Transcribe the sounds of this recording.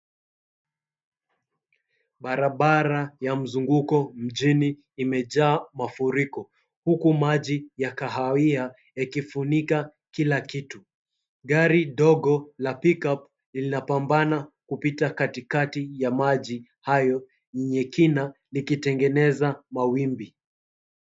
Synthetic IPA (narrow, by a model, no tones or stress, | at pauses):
ɓaɾaɓaɾajam̩zuŋɡukɔm̩ʄiniː | mɛʄaːmafuɾikɔ | hukumaʄijakaɦawia | akifunika | kilakitu | ɠaɾiɗɔɠɔlapikap̚ | linapambanakupitakatikatijamaʄi | hajɔ | ɲiɲɛkinalikitɛŋɡɛnɛzamawimbi